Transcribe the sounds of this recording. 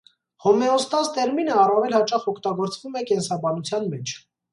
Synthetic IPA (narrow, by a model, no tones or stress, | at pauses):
hɔmɛɔst̪ɑst̪ɛɾminəɑrɑvɛlhɑt͡ʃɑχɔkʰt̪ɑɡɔɾt͡svumɛkɛnsɑbɑnut͡sʰjɑnmɛt͡ʃʰ